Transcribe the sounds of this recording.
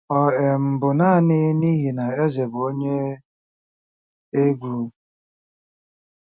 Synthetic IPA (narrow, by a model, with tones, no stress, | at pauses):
ɔ˨e˨m̩˨bʊ˨na˦˨nɪ˦ni˦ɦi˨na˨e˦ze˨bo˦ɲe˦ | e˦ɡʷuː˦